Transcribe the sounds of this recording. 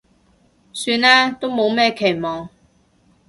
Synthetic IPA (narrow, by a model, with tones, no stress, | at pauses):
syː˧nɛː˥t̪o˥wmo˨˧wmɛː˥˩kʰe˨˩jmɔː˨˩ŋ